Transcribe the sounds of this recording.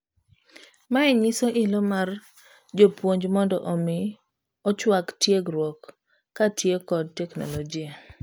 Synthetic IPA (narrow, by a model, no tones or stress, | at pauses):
maɛɲɪsɔʔɪlɔmar | d͡ʒopwoɲd͡ʒmɔndɔ̰ʔɔmɪ | ɔt͡ʃwaktjeɡɾwɔkː | atjekɔd̚tɛkno̰lod͡ʒia